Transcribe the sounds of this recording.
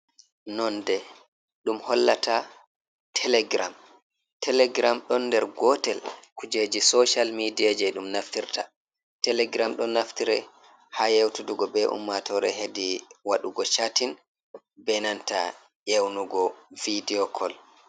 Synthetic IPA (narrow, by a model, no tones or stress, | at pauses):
nɔndɛ | ɗumhɔlːatʰa | tʰɛlɛɡɾam | tʰɛlɛɡɾamɗɔndɛɾɡɔtɛlkud͡ʒed͡ʒisɔʃalmidijad͡ʒɛɗumnaftiɾtʰa | tɛlɛɡɾamɗɔnːaftiɾɛ | hajewtuduɡɔbɛʔṵmːatɔɾɛ̰ɦediwaɗuɡɔt͡ʃatin | bɛnanta̰ | jewnuɡɔvidiɔkʰɔl